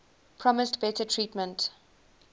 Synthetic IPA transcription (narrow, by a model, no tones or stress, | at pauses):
pʰɹɔmɪstbɛtətʰɹiːtmə̃nt